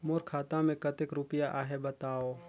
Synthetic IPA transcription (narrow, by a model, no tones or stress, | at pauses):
moːɾkʰaːt̪ãmẽkət̪ɪkɾʊpɪjaʔaːɦebɐt̪aːoː